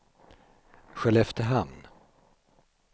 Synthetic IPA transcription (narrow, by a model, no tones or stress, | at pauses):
ɧɛlɛft̪əɾɦamn